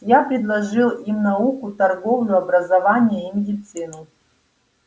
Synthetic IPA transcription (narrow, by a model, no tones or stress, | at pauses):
japɾʲɪd̪lˠɐʐɨlˠimnaukut̪ɐrɡovlʲuɐbɾɐzɐvanʲɪjəimʲɪdʲit̪sɨnu